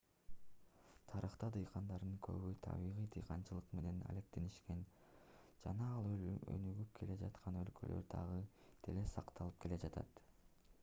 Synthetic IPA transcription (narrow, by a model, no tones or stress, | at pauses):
t̪ʰɑɾɯχt̪ɑd̪ɯjqʰɑnd̪ɑɾd̪ɯŋkʰø̞̰βyjt̪ʰɑ̰βiʁijd̪ɯjqʰɑnt͡ʃɯlˠɯqme̞ne̞na̰le̞k̚t̪e̞niʃke̞n | d͡ʒɑnɑːlˠø̰nyɡyp̚kʰe̞le̞d͡ʒɑt̪qʰɑnø̞lkʰø̞̰lʔø̞̰ɾd̪ɑʁɯd̪̥ʰe̞le̞sɑqt̪ɑlˠɯp̚kʰe̞le̞d͡ʒɑt̪ɑ̰t̪